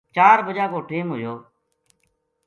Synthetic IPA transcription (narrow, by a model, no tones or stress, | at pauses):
t͡ʃaːɾbəd͡ʒaːkoːʈiːmɦʊjoː